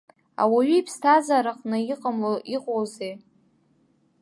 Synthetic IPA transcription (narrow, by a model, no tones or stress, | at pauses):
a̰waɥiipʰstʰazaɾaqʼnɨiqʼəmloiqʼowzej